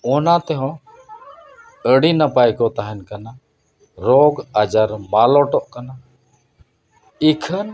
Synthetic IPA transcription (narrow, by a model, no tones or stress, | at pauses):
ɔnãt̪ɛɦɔ̃ | əɽiːnapajkɔt̪aɦɛnkəna | ɾoːɡəd͡ʒəɾmaːlɔːʈɔʔkəna | ikʰən